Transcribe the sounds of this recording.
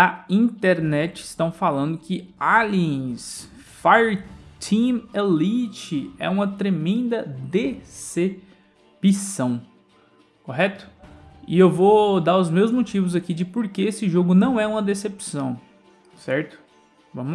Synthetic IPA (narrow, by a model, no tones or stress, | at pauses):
ɐĩnt̪eɾnɛt͡ʃɪɪst̪ɐ̃w̃falɐ̃nd̪ʊkʰɪaliẽs | fajt̪ʰĩmelit͡ʃɪɛ̰ũmɐt̪ɾemẽnd̪ɐd̪ese | pisɐ̃w̃ | koɦɛt̪ʊ̥ɪewvod̪aɾʊzmewzmot͡ʃivʊzakid͡ʒɪpoɾkeesɪʒoɡʊnɐ̃w̃ɛũmɐd̪esepsɐ̃w̃ | sɛɾt̪ʊ̥ | vɐ̃mʊ